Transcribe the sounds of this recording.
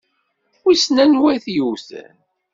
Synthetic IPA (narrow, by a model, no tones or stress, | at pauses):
wisnænwæθjuθæ̰n